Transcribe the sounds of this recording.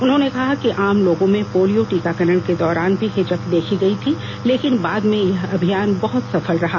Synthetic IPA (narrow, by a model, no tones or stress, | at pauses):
ʊnɦõnekɐɦakiʔaːmloːɡõmẽpoːlijoʈiːkakɐɾəɽ̃ked̪ɔːɾaːnbʱiɦed͡ʒəkd̪eːkʰiɡɐit̪ʰi | leːkɪnbaːd̪mẽjɐɦɐbʱijaːnbɐɦʊt̪sɐfəlɾɐɦa